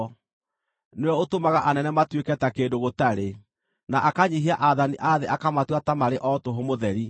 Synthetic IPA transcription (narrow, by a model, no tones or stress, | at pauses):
neɔotomaɣaʔanɛnɛmatwekɛtakendoɣotaɾe | naʔakaɲiɦiaʔaðaniʔaðeʔakamatwatamaɾeʔɔtoɦomoðɛɾi